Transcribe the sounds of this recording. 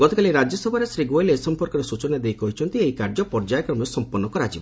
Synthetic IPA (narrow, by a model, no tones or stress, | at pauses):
ɡ̥ɔt̪ɔkaliɾad͡ʒɔsɔbʱaɾesɾiɡoelesɔmpɔɾkɔɾesut͡ʃɔnad̪eɦjkɔɦit͡ʃʰɔnt̪ieɦikaɾd͡ʒɔpɔɾd͡ʒajkɾɔmɔsɔmpɔɾnːɔkɔɾat͡ʃibɔ